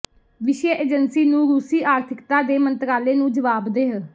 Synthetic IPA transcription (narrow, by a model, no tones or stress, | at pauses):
ʋɪʃjəeːd͡ʒənsiːnũːɾuːsiːʔaːɾt̪ʰɪkt̪aːd̪eːmənt̪ɾaːleːnũːd͡ʒəʋaːbd̪eːɦə